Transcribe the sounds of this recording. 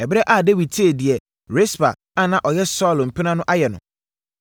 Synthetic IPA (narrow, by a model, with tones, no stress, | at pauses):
ɛ˨bɪ˦ɾɛ˦ʔa˨de˦wi˨d̚tʰi˦e˨di˨ɛ˨ | ɾe˦sba˨ | ã˦˨nã˨ʔɔ˨jɛ˦sɔ˦˨lm̩˨pʰi˦nã˦nʊ̃˦ʔa˦jɛ˨nʊ̰̃˨